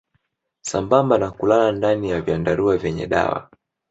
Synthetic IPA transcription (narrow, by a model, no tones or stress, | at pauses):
sambambanakulalandanijavjandaɾuavjɛɲɛ̰ɗa̰wa̰